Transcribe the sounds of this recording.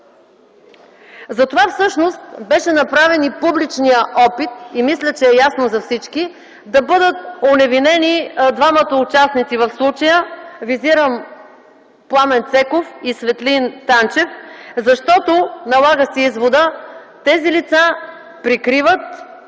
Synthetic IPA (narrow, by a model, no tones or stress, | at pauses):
zɐt̪ovafsɤʃnost̪̚bɛʃɛnɐpɾavɛnipublit͡ʃnijəʔɔpit̪̚imislʲət͡ʃɛːjasnozɐfsit͡ʃki | d̪ɐbɤd̪ət̪̚onɛvinɛnid̪vamət̪əʊt͡ʃasnit̪sivɐfslˠut͡ʃəjəviziɾəm | plˠamɛnt̪sɛkofisvɛt̪lint̪ant͡ʃɛfzɐʃt̪ɔt̪onɐlˠaɡəsɛizvod̪ət̪ɛzilit̪sa | pɾikɾivət̪̚